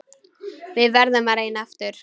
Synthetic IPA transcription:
vɪðvɛɾðamaɾejnɛft̪ʏɾ̥

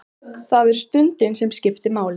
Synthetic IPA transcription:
θaðvɛɾst̪ʏnt̪ɪnsɛmscɪft̪ɪmaːwl

